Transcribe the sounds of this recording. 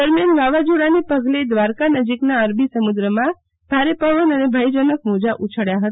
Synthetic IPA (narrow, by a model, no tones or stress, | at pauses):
əɾmjanʋaʋad͡ʒuɽanepəɡled̪ʋaɾkanəd͡ʒiknaəɾbʱisəmud̪ɾəmã | bʱaɾepəʋənənebʱəjd͡ʒənəkmod͡ʒaʔut͡ʃʰəɽjaɦət̪a